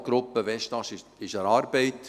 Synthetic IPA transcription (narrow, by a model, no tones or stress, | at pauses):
ɡ̥ɾʊpːəʋɛʃtɑʃɪʃəɾɑːɾb̥eɪt